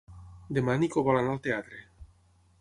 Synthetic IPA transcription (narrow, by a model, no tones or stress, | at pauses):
d̪emanikoβalanalt̪eat̪ɾe